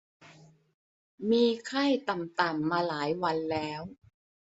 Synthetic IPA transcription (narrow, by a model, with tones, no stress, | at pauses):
miː˧kʰa˥˩jt̪a˨˩mt̪a˨˩mːaː˧laː˩˦jwa˧nlɛː˦˥w